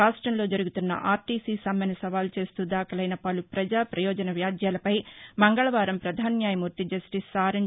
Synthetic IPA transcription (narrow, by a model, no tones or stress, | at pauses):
aːʂʈɾɐmlo̞ːd͡ʒɐɾuɡut̪unːɐ̰ʔaːɾʈiːsiːsɐmɐnɐsɐʋaːlt͡ʃe̞ːst̪uːd̪aːkʰɐlɐjnɐpɐlupɾɐd͡ʒaːpɾɐjɔːd͡ʒɐnɐʋjaːd̪ʱjaːlɐpɐjmɐŋɡɐɭɐʋaːɾɐmpɾɐd̪ʱaːnjaːjɐmuːɾt̪id͡ʒɐsʈisaːɾɐɲ